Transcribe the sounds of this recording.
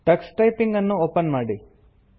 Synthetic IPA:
ʈɐksʈɐjpiŋɡɐnːuoːpɐnmaːɽi

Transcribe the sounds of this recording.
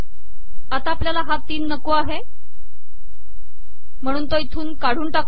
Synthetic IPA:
at̪aːpljalaɦat̪ːiːnːəkoaɦe | m̤əɽ̃uːnt̪oit̪ʰuːnkaɽ̤uːnʈak

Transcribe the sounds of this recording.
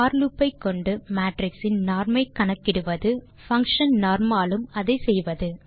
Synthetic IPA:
aːɾlɯpːɐɪkːɔɳɖɯmaːʈɾɪksɪnnaːɾmɐɪkːɐɳɐkːɪɽɯʋɐðɯ | fɐŋkʂɐnnaːɾmaːlɯmɐðɐɪsɛjʋɐðɯ

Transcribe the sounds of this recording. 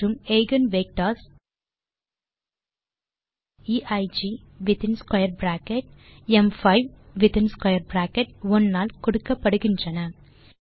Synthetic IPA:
umejɡɐnʋeːk̚ʈaːs | iːʔɐjd͡ʒiː | ʋit̪inskwɐjɐɾbɾaːkeʈemfɐjʋʋit̪inskwɐjɐɾbɾaːkeʈ̚ʋɔnːaːlkɔɽɯkːɐpːɐɽɯɡiɲt͡ʃɐnɐ

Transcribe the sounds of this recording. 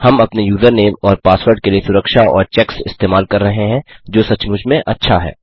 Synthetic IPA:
hɐmɐpnejuːzəɾneːmɔːɾpaːswəɾɖkeliesʊɾəkʃaʔɔ̰ːɾt͡ʃɛːksɪ̰st̪eːmaːlkɐɾːɐɦeɦɛ̃d͡ʒoːsɐt͡ʃmʊd͡ʒʱmẽʔɐtːʃʰaɦɛ̰ː

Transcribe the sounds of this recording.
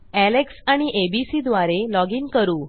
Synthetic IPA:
æleksaɽ̃iʔebisid̪ʋaɾelɔɡiːnkəɾuː

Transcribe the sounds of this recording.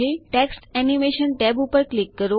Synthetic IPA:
eʈeksʈɛnimeʃənʈɛbupəɾklikːəɾo

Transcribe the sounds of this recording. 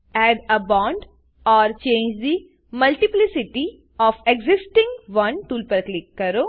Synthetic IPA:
ɛːɖəbɔ̃ːɳɖ | ɔːɾt͡ʃẽːɲd͡ʒd̪i | mɐlʈɪplɪsɪʈi | ɔːfeɡzɪsʈɪ̃ŋɡʋɐ̃nʈuːlpɐɾklɪkːɐɾoː

